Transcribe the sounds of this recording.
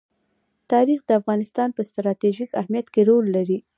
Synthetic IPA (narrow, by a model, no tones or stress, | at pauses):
t̪ɑɾixd̪əafɣɑnɪst̪ɑnpəst̪ɾɑt̪eʒikahmijat̪keɾolːaɾi